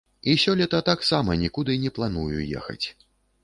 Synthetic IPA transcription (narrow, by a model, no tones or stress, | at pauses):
isʲɔlʲɛt̪ɐt̪aksamɐnʲikud̪ɨnʲɛplˠanujṵjɛ̰xɐ̰t͡sʲ